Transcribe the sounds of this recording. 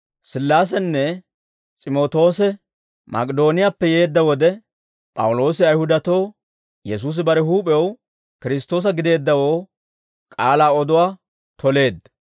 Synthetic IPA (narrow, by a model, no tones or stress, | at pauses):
sɪlːaːs̬ɛnːɛ | t͡sʼɪmoːt̪o̞ːsɛ | mʔɐ̰kʼɪd̪o̞ːnɪjapːɛje̞ːd̪ːɐwɔd̪ɛ | pʼɐ̰wʊlo̞ːsɪɐjhʊd̪ɐt̪o̞ː | jɛsuːs̬ɪbɐɾɛɦuːpʼɛw | kɪɾɪs̬t̪ːo̞ːs̬ɐɡɪd̪e̞ːd̪ːɐwo̞ː | kʼaːlaːɔd̪ʊwaː | t̪ʰɔle̞ːd̪ːɐ